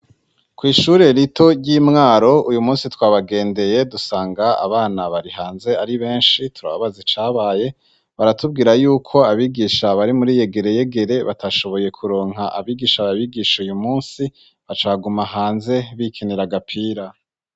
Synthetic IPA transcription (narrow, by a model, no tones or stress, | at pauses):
kwiːʃuɾe̞ɾitʰo̞ɾɟiːmŋaːɾo̞ujumuːnsitwaːβaɡe̞ːnde̞je̞dusaːŋɡaa̰βaːnaβaɾiɦaːnze̞aɾiβe̞ːnʃitʰuɾa̰βaβazit͡ʃaːβaːje̞ | βaɾatub̚ɡiːɾajuːkʰo̞aβiːɡiːʃaβaɾimuɾiːje̞ɡe̞ɾe̞je̞ɡe̞ɾe̞βa̰taʃo̞βo̞je̞kʰuɾo̞ːŋ̥ɦaʔa̰βiːɡiːʃaβaβiɡiːʃaujumuːnsi | βat͡ʃaːɡumaɦaːnze̞βikʰeniɾaɡapʰiːɾa